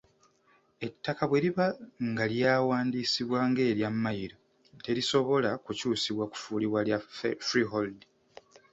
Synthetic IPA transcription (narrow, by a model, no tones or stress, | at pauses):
e̞tːakaβwe̞ɾiβaŋɡaljaːwaːndiːsiβwaːŋɡe̞ːɾjamːajiɾo̞ | te̞ɾiso̞βo̞lakucuːsiβwaku̥fuːliβwaljafɾiɦoldi